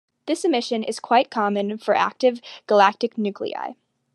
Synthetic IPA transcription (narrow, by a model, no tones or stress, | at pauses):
ðɪsɨmɪʃɨ̃nɪ̰z̥kʰw̥aɪt̚kʰɑmɨ̃nfə˞ʔæ̰k̚tɨvɡ̥əlæk̚tɨknʉkʰlḭa̰ɪ